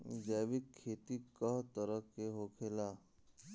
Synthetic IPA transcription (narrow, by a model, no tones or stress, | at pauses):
d͡ʒɛːbɪkʰːeːt̪ikəɦt̪əɾəkeɦoːkʰeːlaː